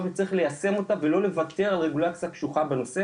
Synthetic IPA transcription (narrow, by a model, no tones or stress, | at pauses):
vet͡saʁiχle̞jase̞mo̞t̪ave̞lo̞le̞vat̪e̞ʁalʁeɡulat͡sijapʃuχabeno̞se